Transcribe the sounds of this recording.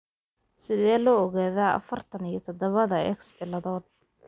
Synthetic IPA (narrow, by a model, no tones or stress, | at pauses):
sɪðɛːlɔːɔɣaːðaːɐ̰fɐrt̪ʰɐnijɞt̪ʰd̪ɐβɐðɐɛ̰ksbɪlɐðɔːd̪̚